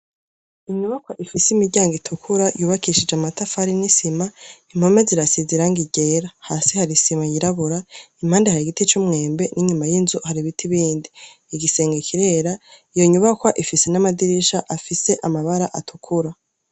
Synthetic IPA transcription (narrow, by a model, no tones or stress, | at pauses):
iɲuβakwaʔifisimiɟaːŋɡitʰukʰuɾajuːβakʰiʃid͡ʒamatafaɾinisimaim̥ho̞me̞ziɾasiziɾaŋɡiɟe̞ːɾahaːsihaɾisimajiɾaβuɾaim̥haːndehaɾiɡitit͡ʃumŋe̞ːmbe̞nʔiɲumajinzuhaɾiβitʰiβiːndiː | ɡise̞ːŋɡekʰiɾe̞ːɾaijoɲuβakwaʔifisenamadiɾiʃaʔafise̞ʔamaβaɾaʔatʰukʰuɾa